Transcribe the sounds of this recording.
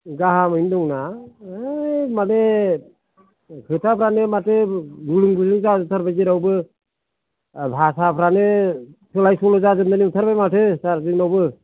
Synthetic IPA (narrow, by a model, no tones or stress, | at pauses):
ɡaɦamɯindɔŋna | mane | kʰɯtʰapʰɾanɯmatɯɡulɯŋɡɯlɯŋzaɯt̪ʰaɾbajziɾawbɯ | bʱasapʰɾanɯtʰɯlajsɔlɔzazɯmdanit̪ʰaɾbajmatʰɯsaɾzɯŋnawbɯ